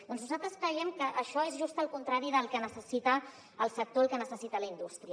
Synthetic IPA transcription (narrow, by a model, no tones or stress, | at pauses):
d̪ɔnznuzalˠt̪ɾəskɾəiɛmkəʔəʃɔezʒust̪əlˠkunt̪ɾaɾiðəlˠkənəsəsit̪ə | əlˠsək̚t̪oəlˠkənəsəsit̪ələind̪ust̪ɾiə